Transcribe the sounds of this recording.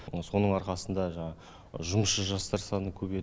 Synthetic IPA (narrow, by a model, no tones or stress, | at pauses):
so̞nəɴɑɾqɑsənd̪ɑʒɑɴɑ | ʒʊmsʃəʒɑst̪ɑɾsɑnəkʲʰɵbe